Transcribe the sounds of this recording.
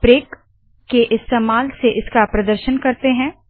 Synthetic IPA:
pɾeːkː | eʔɪst̪eːmaːlseʔɪskapɾɐd̪əɾʃənkɐɾt̪eɦɛ̃ː

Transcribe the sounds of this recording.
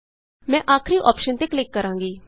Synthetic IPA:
mɛ̃ːʔaːkʰɾiʔɔːpʃənt̪eːklɪkːəɾãːŋɡiː

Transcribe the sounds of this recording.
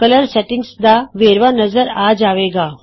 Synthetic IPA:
kələɾsɛʈiŋɡsd̪aʋeɾʋanəd͡zəɾad͡zaʋeɡa

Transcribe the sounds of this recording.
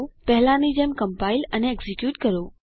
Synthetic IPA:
pɛɦɪlãnid͡ʑeːmkɐmpaːɪləneeɡzikjuːʈkɐɾjoː

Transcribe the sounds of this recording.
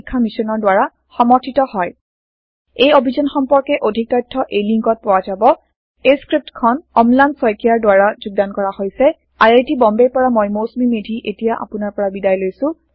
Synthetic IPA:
kʰːamisɔnɔɹdwaɹa | xɔmɔtʰitɔhɔj | ejobʱizɔnxɔmpɔɹkɛʔodʱik̚tajtʰːɔʔejliŋkɔt̚pʊwazabɔ | eskɹip̚tkʰɔnɔmlansɔjkijaɹdwaɹazʊɡ̚dankɔɹahojsɛ | ajajtibɔmbejpɔɹamojmosmimedʱiʔetijaʔa̰pʊnaɹpɔɹabidajlojsʊ̃

